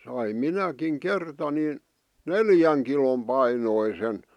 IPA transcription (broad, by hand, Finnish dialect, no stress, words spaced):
sɑim minækiŋ kertɑ nin neljæŋ kilom pɑinoisen